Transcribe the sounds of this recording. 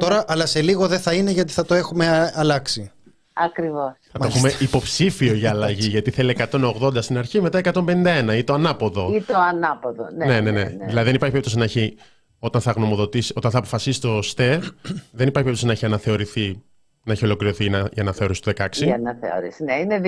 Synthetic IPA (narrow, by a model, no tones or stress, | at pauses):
t̪o̞ɾɐʔɐlɐse̞liɣo̞ðeθɐine̞ʝɐt̪iθɐt̪o̞exume̞ɐlɐksi | ɐkɾivosθɐt̪oexumeipo̞psifio̞ʝɐːlɐʝiʝɐt̪iθeliekɐt̪o̞no̞ɣðo̞nd̪ɐst̪inɐɾçime̞t̪ɐekɐt̪o̞mbenind̪ɐe̞nɐit̪oɐnɐpo̞ðo̞it̪oɐnɐpoðo̰nne̞ne̞ne̞ðilɐðiðenipɐɾçipeipt̪os̬inɐeçi | o̞t̪ɐnθɐɣno̞mo̞ðo̞t̪isio̞t̪ɐnθɐːpo̞̥fɐsisi̥t̪o̞st̪eɾðenipɐɾçipeɾpt̪osinɐeçiɐnɐθeo̞ɾiθi | nɐeçio̞lo̞kliɾo̞θinɐʝɐnɐθe̞o̞ɾisi̥t̪ðekɐksiɐnɐθḛo̰ɾisineine